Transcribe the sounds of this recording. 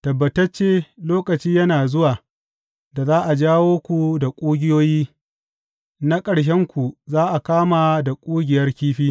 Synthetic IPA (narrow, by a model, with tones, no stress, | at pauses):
tɐ˨bːɐ˨tɐ˦t͡ʃeː˦loː˦kɐ˨t͡ʃiː˦jɐ˦naː˨zʊ˦waː˨ | da˨zaː˦ʔa˨d͡ʒaː˦woː˦kʷu˨da˨kʷʼuː˦ɡʲɪ˦joː˦jiː˦ | na˦kʼɐ˨ɽʃ̬ɛ˦ŋkʷu˨zaː˦ʔa˨kaː˦ma˨da˨kʷʼuː˦ɡʲɪ˨jɐ˦rkʲiː˦ɸiː˦